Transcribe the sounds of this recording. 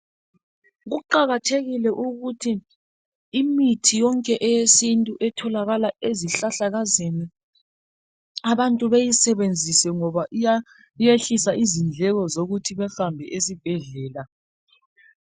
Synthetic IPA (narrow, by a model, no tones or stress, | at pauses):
ɣuǃaɣatʰeɣilɛʔuɣutʰiː | mitʰijɔŋkʼɛʔɛjesintʼuʔɛtʰɔlaɣalaeziɬaɬaɣazeni | aβantʼuβejisɛβend͡zʱisɛŋɔβaʔa | ijeɬisaizind͡ɮʱɛɣɔzoɣutʰiβɛfambʱɛʔesib̥ʱɛɮɛːla